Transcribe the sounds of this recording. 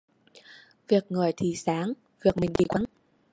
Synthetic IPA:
vi˨˩ək̚ŋɨ˨˩əjt̪ʰi˨˩saː˨˦ŋ | vi˨˩ək̚mï˨˩ŋ̟ɗḭ˧˩kwa˨˦n

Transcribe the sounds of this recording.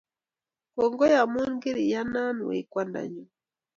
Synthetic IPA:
kɔ˨ŋɡɔ˦ja˨mu˦ŋɡi˦ɾi˨ja˦na˦n˨wɛ̰˨kwa˦nda̰˨ɲu˨

